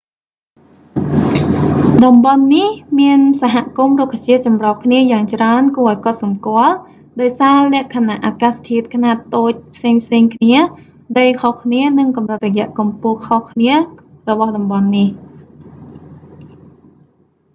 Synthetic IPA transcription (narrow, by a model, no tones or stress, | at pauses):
ɗɑmɓɑnːihmiənsaɦaʔkumrukʰːat͡ɕiət̪̚t͡ɕɑmrɑhkʰniəjaːŋt͡ɕraənkuəʔɔːjkot̪sɑmkŏəl | ɗaɔjsaːlɛ̆əʔkʰanaʔːaːkaːst̪ʰiət̪̚kʰnaːt̪ːoːc̚pʰseːŋpʰseːŋkʰniə | ɗəjkʰohkʰniənɨŋkɑmrɨt̪̚rɔjɛ̆əʔkɑmpuəhkʰohkʰniə | rɔɓɑhɗɑmɓɑnːih